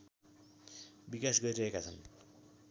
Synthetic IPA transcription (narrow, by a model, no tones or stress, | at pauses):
bikasɡʌɾiɾʌɦekat͡sʰʌn